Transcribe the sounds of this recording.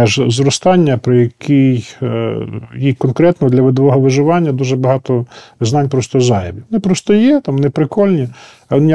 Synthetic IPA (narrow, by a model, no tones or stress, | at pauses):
ɛʒzɾɔst̪ɑnʲːɐpɾɔjɐkʲʰij | jikɔnkɾɛt̪nɔd̪lʲɐʋɪd̪ɔʋɔɦɔʋɪʒɪʋɑnʲːɐd̪uʒɛbɐɦɑt̪ɔznɑnʲpɾɔst̪ɔzɑjɐbʲiʋɔnɪpɾɔst̪ɔjɛt̪ɑmʋɔnɪpɾɪkɔlʲnʲi | ɔnɪj